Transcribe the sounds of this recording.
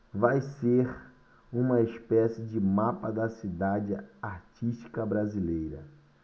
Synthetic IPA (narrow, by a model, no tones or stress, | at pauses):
vajseɾ | ũmɐespɛsɪd͡ʒɪmapɐd̪ɐsid̪ad͡ʒɪaɾt͡ʃiʃt͡ʃi̥kɐbɾazilejɾɐ̰